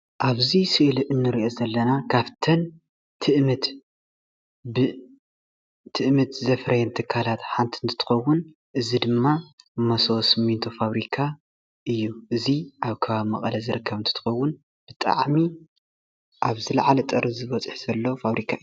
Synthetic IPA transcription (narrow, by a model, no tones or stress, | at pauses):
ʔaβzisɨʔɨlʔɨnːɨɾiʔo̞zɐlːɐnakʰaβt̪ʰɐn | t̪ʰɨʔmɨt̪ | bɨ | t̪ʰɨʔmɨt̪zɐfɾɐjɛnt̪ʰɨkʰːalat̪ħant̪ʰiɨnt̪ʰɨ̥t̪ʰɨ̥xɐwːʊn | ʔɨzid̪ɨmːamɐso̞sɨmint̪ʰofaβɾikʰa | ʔɨjːuʔɨziʔaβkʰɐβaβmɐkʼɐlɐzɨɾɨkʰːɐβɨnt̪ʰɨ̥t̪ɨ̥xɐwːʊn | b̥ɨt̪ʼa̰ʕmi | ʔaβzɨlɐʕalɐt̪ʼɐɾzɨβɐt͡sʼɨħz̥ɐlːo̞faβɾikʰaɨjːu